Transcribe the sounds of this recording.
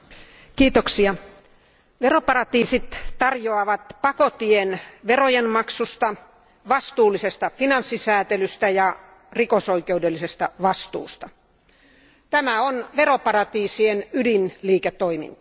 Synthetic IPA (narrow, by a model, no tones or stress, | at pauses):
kiːt̪oksiɑ | ʋeropɑrɑt̪iːsit̪t̪ɑrjoɑʋɑt̪pɑkot̪ienʋerojenmɑksust̪ɑ | ʋɑst̪uːlisest̪ɑfinɑnsːisæːt̪elyst̪æjɑ | rikosoikeudelːisest̪ɑʋɑst̪ṵːst̪ɑ | t̪æmæonʋeropɑrɑt̪iːsienydinliːket̪ːoimḭnt̪ɑ̥